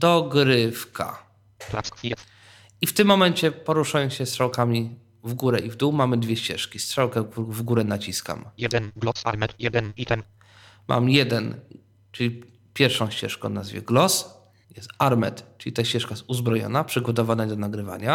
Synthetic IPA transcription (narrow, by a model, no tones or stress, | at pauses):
d̪ɔɡɾɘfkʰa̰ | ift̪ɘmːɔmɛɲt͡ɕɛpɔɾuʂajɔ̃ɕɛst̪ʂawkamʲi | vɡuɾɛʔivd̪uwmamɘd̪vʲjɛɕt͡ɕɛ̰ʂkʲist̪ʂawkɛvɡuɾɛnat͡ɕiska̰m | mʔa̰mjɛd̪ɛn | t͡ʂɘlʲi | pʲjɛɾfʂɔ̃w̃ɕt͡ɕɛ̰ʂkɔ̰̃na̰zvʲɛ̰ɡlɔs | jɛst̪aɾmɛ̰t̪t͡ʂɘlʲit̪aɕt͡ɕɛʂkaɛsuzbɾɔjɔ̰napʂɘɡɔt̪ɔvanaid̪ɔnaɡɾɘva̰ɲa